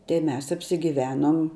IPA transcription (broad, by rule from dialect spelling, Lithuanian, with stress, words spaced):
tɐɪ ˈmʲɛs ɐpʲsʲɪɡʲɪˈʋʲæːnoːm